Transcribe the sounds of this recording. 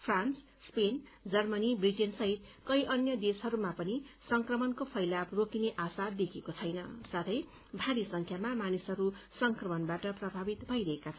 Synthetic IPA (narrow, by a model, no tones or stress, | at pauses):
pʰrans | spend͡zʌrmʌnibriʈensʌɦit̪kʌjʔʌnjʌd̪esɦʌɾumapʌnisʌŋkrʌmʌnkopʰʌjlabrokineʔasad̪ekʰekot͡sʰʌjnʌ̰sat̪ʰʌj | bʱaɾisʌŋkʰjamamanisɦʌɾusʌŋkrʌmʌnbaʈʌprʌbʱabit̪bʱʌjɾʌɦekat͡sʰʌn